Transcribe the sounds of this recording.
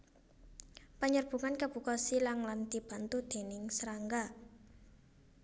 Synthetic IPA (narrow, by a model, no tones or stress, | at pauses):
pəɲərb̥ṳŋankəb̥ṳkɔsilaŋlant̪ib̥a̤nt̪ud̪̥e̤nɪŋsəɾaŋɡa